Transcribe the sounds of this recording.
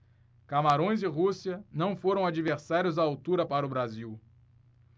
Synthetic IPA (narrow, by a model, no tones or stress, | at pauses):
kamaɾõj̃zɪɦusiɐnɐ̃w̃foɾɐ̃w̃ad͡ʒiveɾsaɾjʊzd̪aawt̪uɾɐpaɾɐʊbɾaziw